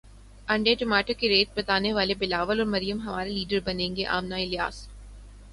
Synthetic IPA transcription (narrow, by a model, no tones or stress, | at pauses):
ɐ̃ɳɖeʈʊmaːʈokeɾeːʈ̚bɐt̪aːneʋaːlebɪlaːʋəlɔːɾmɐɾijəmɦɐmaːɾeliːɖəɾbɐnẽːŋɡeʔa̰ːmnaɪlija̰ːs